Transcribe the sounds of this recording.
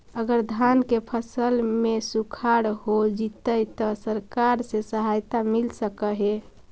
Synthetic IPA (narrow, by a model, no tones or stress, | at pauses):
əɡəɾd̪ʱankepʰəsəlmesukʰaɾhod͡ʒit̪əjt̪ɔsəɾkaɾsẽsəɦajt̪amilsəkəɦe